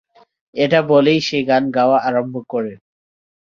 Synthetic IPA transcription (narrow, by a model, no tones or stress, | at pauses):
eʈabɔlejʃeɡanɡawaʔaɾɔmbʱɔkɔɾe